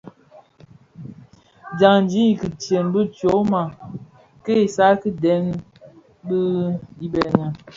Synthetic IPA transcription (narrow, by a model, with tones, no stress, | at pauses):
d͡ʒa˨ŋn˦d͡ʒi˦˨ki˨tje˨nbə˦to˨˦ma˨ | ke˦i˨sa˦ki˦dɛ˨˦ŋ | bə˦i˦bɛ˨ŋə˨